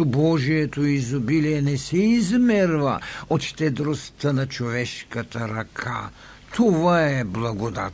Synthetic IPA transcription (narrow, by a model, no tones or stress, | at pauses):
obɔʒiɛt̪oizobiliɛnɛsɛizmɛɾva̰ot̪ʃt̪ɛd̪ɾost̪ənɐt͡ʃovɛʃkɐt̪ɐɾɐkʰa̰ | t̪ʰovaɛblˠɐɡod̪a̰t̪